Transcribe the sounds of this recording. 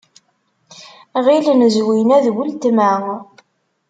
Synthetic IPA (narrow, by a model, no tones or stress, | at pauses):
ʁilənzwinæðwəlt̪mæŋ